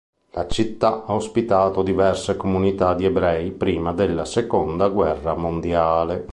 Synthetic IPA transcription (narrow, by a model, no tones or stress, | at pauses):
lat͡ʃit̪ːaaospit̪aːt̪od̪ivɛrsekomunit̪ad̪iɛbɾɛjpɾiːmad̪elːasekond̪aɡwɛrːamond̪jaːle